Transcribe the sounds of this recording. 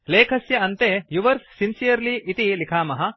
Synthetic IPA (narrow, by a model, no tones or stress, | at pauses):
leːkʰɐsjɐɐnt̪ejuʋɐɾsːinsijɐɾliʔit̪ilikʰaːmɐɦɐ̆